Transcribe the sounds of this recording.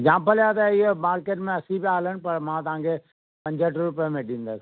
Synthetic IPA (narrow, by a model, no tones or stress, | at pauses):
d͡ʒãːmpəljaːd̪aɪɦobaːɾkeːʈmẽɐsĩbiaːlənɪ̆pɐɾmãt̪ɐɦãːŋkʰe | pɐ̃ɲd͡ʒʱəʈɾʊpəmẽɗĩːnd̪əs